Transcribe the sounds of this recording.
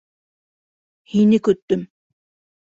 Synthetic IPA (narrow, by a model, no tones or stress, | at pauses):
hinikɵt̪ːɵm